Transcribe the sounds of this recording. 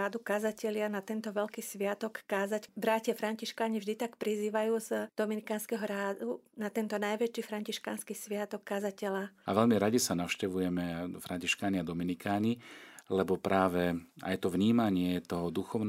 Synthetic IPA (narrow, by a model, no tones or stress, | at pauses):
aːd̪ukazacɛlɪanat̪ɛnt̪ɔʋɛʎkiːsʋɪat̪ɔkːaːzacbɾacɪafɾaɲciʃkaːɲivʒd̪it̪akpɾiziːʋajuːzd̪̥ɔminikaːnskɛɦɔɾaːd̪unat̪ɛnt̪ɔnajʋɛt͡ʃiːfɾaɲciʃka̰ːnskisʋɪat̪ɔkːazacɛlaa̰ʋɛʎmiɾaɟisanaʊʃcɛʋujɛmɛfɾaɲciʃkaːɲiad̪ɔminikaːɲilɛbɔpɾʔaːʋɛa̰jt̪ɔʋɲiːmaɲɪɛt̪ɔɦɔd̪uxɔʊn